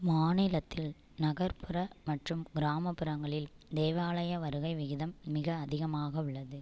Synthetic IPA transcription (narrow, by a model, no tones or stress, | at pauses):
maːnɪlɐt̪ːɪl | nɐɣɐɾpʰɯɾɐmɐʈrɯmɡɪɾaːmɐpːɯɾɐŋɡɐɭɪl | d̪eːʋaːɭɐjɐʋɐɾɯɣɐɪʋɪɣɪðɐmːɪɣɐːðɪɣɐmaːɣɐʊɭːɐðɯ